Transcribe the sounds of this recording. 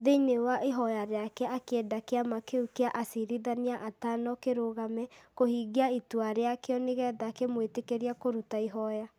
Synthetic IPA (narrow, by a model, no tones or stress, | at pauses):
ðenewaʔeɦɔjaɾeakɛʔakeɛdakeamakeukeaʔasiɾiðaniaʔatanɔkeɾoɣamɛkohiɣiaitwaɾeakeɔneɣɛːðakemwetekeɾiakoɾutaiɦɔja